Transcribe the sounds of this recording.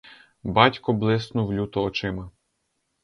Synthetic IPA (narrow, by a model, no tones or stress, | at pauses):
bɑtʲkɔblˠɪsnʊwlʲut̪ɔɔt͡ʃɪmɐ